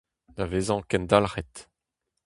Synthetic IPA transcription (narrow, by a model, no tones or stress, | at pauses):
daveːzɑ̃kɛnd̪alʁɛt̪